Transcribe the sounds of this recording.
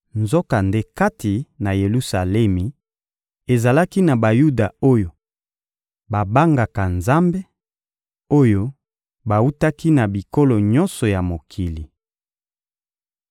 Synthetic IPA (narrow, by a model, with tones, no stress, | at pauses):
nzo˦ka˨nde˦ka˦ti˨na˨je˨lu˦sa˨lɛ˦mi˨ | e˨za˨la˦ki˦na˨ba˨ju˦da˨o˦jo˨ | ba˨ba˦ŋɡa˨ka˨nza˦mbe˦ | o˦jo˦ | ba˨wu˦ta˦ki˦na˨bi˨ko˦lo˨ɲɔ˦nsɔ˨ja˨mo˨kʰi˨li˨